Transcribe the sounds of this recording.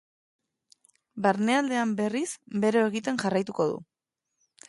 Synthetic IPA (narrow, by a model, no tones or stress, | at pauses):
baɾne̞ald̪e̞ambe̞risbe̞ɾo̞eɣit̪e̞ŋʝarajt̪uko̞ðṵ